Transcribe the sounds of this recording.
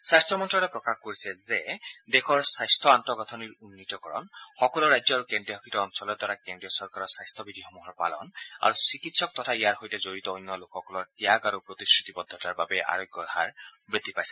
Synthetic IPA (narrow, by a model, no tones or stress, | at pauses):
sast̪ʰɔmɔntɹɔɾɛpɹɔkaxkoɹisɛzed̪ekʰɔɹsajstʰɔantɔɡɔt̪ʰɔniɹunːitɔkɔɹɔ̰nxɔkɔlɔɹajd͡ʒzɔaɹukendɹiɔɦɔkʰitɔːmsɔlɔd̪waɹakendɹiɔsɔɹkaɾɔsajst̪ʰɔbid̪ʱixɔmuɦɔɹpa̰lɔ̰na̰ɹusikitsɔk̚tɔtʰaijaɹɦojtɛzoɹit̪ɔojnːɔlokʰɔkɔlɔɹtijaɡaɾupɹot̪iskɹit̪ibɔd̪ʱːɔtaɹbabɛʔa̰ɹojɡjɔha̰ɹbet̪ipajsɛ̥